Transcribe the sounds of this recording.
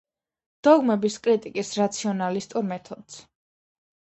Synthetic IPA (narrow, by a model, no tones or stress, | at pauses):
d̪̥ɔɡmɛbiskʼɾit̪ʼikʼisɾat̪sʰiɔnalist̪ʼuɾmɛt̪ʰɔd̪s